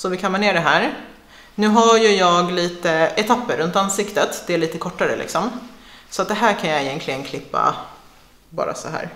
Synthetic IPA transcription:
sɔvɪkʰamːəɳeːɖɛɦæːɾ | nʉ̟ːɦajɵjɑːɡliːt̪əɛt̪ʰapːəɾːɵnt̪ansɪkt̪ət̪d̪ɛæɭiːt̪əkʰɔʈːaɾə̰lɪ̰ksɔmsɔat̪̚d̪ɛɦæːɾkʰanjaɛjɛnkʰlɪɡənkʰlɪpːa̰ | bɑ̰ːɾa̰sɔɦæ̰ːɾ

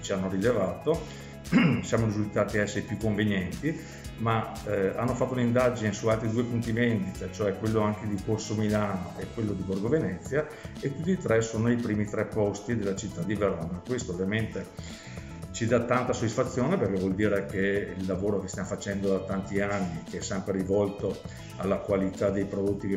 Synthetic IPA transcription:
t͡ʃianːoɾilevaːt̪o | sjaːmoɾizult̪aːt̪iaɛsːeɾepjukːoɱvenjɛnt̪i | maa̰nːofat̪ːounind̪ad͡ʒinesualt̪ɾid̪uːepunt̪ivend̪it̪at͡ʃoɛkːwelːoaŋked̪ikorsomilaːnoʔekːwelːod̪iborɡovenɛt̪sːja | et̪ːut̪ːit̪ɾɛsoːnoipɾiːmit̪ɾɛpːɔst̪id̪elːat͡ʃit̪ːad̪iveɾɔnakwest̪oːvjament̪e | t͡ʃid̪at̪ːant̪asod̪ːisfat̪sːjoːneperkɛvwɔld̪iːɾekeilːavoːɾokest̪jamofat͡ʃɛnd̪od̪at̪ant̪ianːikeɛsːɛmpɾeɾivɔlt̪o | alːakwalit̪ad̪ejpɾod̪ot̪ːik

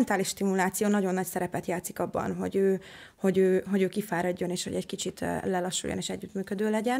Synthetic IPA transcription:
nt̪aːliʃt̪imulaːt̪sijoːnɒɟo̞nːɒcsɛɾɛpɛt̪jaːt̪sikɒbːɒ̰nɦo̞̰ɟøː | ho̞ɟøːɦo̞ɟøːkifaːɾɒɟːo̞neːʃhoɟɛckit͡ʃit̪lɛlɒʃːṵjoneːʃɛɟːyt̪myːkød̪øːlɛɟɛn

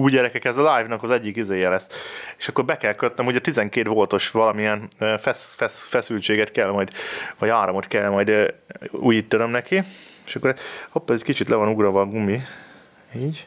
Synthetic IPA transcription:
uːjɟɛɾɛkɛkɛzɒlajvnɒkɒzɛɟːikid̪eːjɛlɛsːe̥ʃɒkːo̞ɾbɛkɛlkøt̪nɛmhuɟɒt̪izɛŋkeːt̪volt̪o̞ʃʋɒlɒmiɛnøfɛsfɛsfɛsylt͡ʃeːɡɛt̪kɛlmɒjd̪vɒɟaːɾomot̪kɛlːmɒjd̪øṵːjiːt̪ːɒnømnɛkieʃɒkːoɾopːɛɛckit͡ʃit̪lɛvɒnuɡɾɒvɒɡumi | iːɟ

